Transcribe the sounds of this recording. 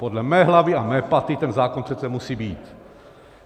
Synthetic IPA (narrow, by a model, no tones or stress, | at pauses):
podlɛmɛːɦlaviamɛːpat̪it̪ɛnzaːkonpr̥ɛt̪sɛmusiːbiːt̪